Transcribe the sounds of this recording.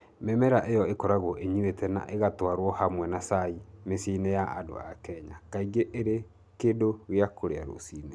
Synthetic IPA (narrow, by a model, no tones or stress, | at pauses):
memɛɾaʔejɔekɔɾaɣoʔeɲuetɛna̰ʔeɣatwaɾwɔhamwɛnasaimesinejaʔado̰a̰kɛɲakaiɡeʔeɾe | kedowjakʰoɾeaɾo̰siːne